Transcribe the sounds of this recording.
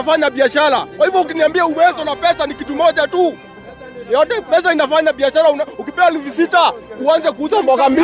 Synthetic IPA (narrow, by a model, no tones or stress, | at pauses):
faɲaɓiaʃaɾakwahivjɔukiniambiauwɛzɔnapɛsanikitumɔʄatu | jɔtɛpɛs̬ainafaɲaɓiaʃaɾaunaukipɛaɛlifusitauanzɛkuuzamwakambi